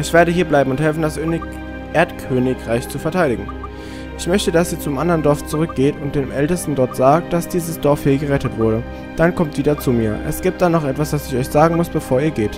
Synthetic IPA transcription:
ʔɪçv̥eːɐɾəɦiːɐblaɪbm̩ʊnthɛlfn̩dasʔøn | ʔeːɐtkʰøːnɪkʁ̥aɪçt͡sufɛɐtʰaɪɾɪɡŋ̩ | ʔɪçmœçtədasz̥iːt͡sʊmʔandəʁəndɔɐft͡suʁʏk̚ɡ̥eːtʊntd̥eːmʔɛltəstn̩dɔɐtz̥aːk̚t̚d̥asd̥iːzəsd̥ɔɐfhiːɐɡəʁɛtətv̥ʊɐɾə | d̥ankʰɔmt̚d̥iːdɐt͡sumiːɐʔɛ̰sɡ̥iːp̚t̚d̥anɔχʔɛtv̥asd̥asɪçɔʏçz̥aːɡŋ̩mʊsb̥əfoːɐiːɐɡeːt

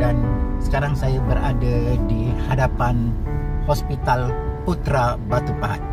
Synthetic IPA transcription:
dansə̥kaɾaŋsajabəɾa̰dadihadapan | hospit̪alput̪ɾabat̪upaɦa̰t̪

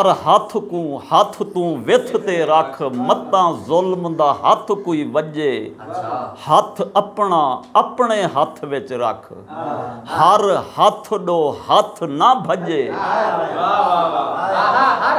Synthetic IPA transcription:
əɾɦaːt̪ʰkũːhaːt̪ʰt̪ũːʋeːt̪ʰt̪eːɾaːkʰmət̪ãːzoːlmd̪aːɦaːt̪ʰkuːiːʋəʄeː | haːt̪ʰəpɳãːəpɳeːɦaːt̪ʰʋet͡ʃɾa̰ːkʰ | həɾhaːt̪ʰɗoːhaːt̪ʰnaːbʱəʄeː

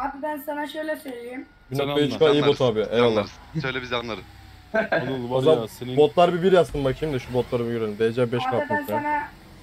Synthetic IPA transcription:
ab̪abænsanaʃøjlʲɛsøjlʲijim | binok̚t̪ˠait͡ʃkaijibot̪ʰaːbiejalˠːa | øjlʲɛbizanlˠaɾɯ | azambot̪lˠaɾbibiɾjast̪ʰɯmbakʰiimd̪ɛʃubot̪lˠaɾɯmujøɾelʲimd̪ejed͡ʒaːbɛʃkaaænana

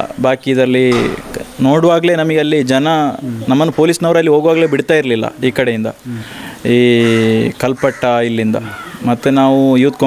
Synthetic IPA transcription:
baːkid̪ɐɾɐlːi | noːɽuʋaːɡle̞ːnɐmɐɡeɐlːid͡ʒɐnɐnɐmːɐnːupo̞ːlisnɐʋɾɐlːiɦo̞ːɡʋaːɡle̞ːbiɽt̪aːjiɾlilːɐ̰iːkɐɽe̞jind̪ɐ̰ | iː | kɐlpɐʈːɐilːind̪ɐ̰mɐt̪ːunaːʋujuːt̪̚kɐ

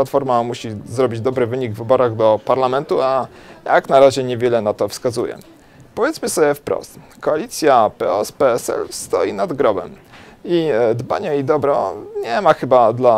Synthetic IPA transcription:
at̪fɔɾmamuɕizɾɔbʲid͡ʑd̪ɔbɾɘvɘɲiɡvɘbɔɾaɣd̪ɔpaɾlamɛnt̪uajaknaɾaʑɛɲɛvʲjɛlɛnat̪ɔfskazujɛ̰ | pɔvʲjɛt̪smɘsɔbʲjɛfpɾɔ̰st̪ | kɔalʲit̪sʲjapɛɔspɛɛsɛ̰lst̪ɔ̰jinad̪ɡɾɔbɛ̰mid̪ba̰ɲɛid̪ɔbɾɔ̰ɲɛmaxɘbad̪la

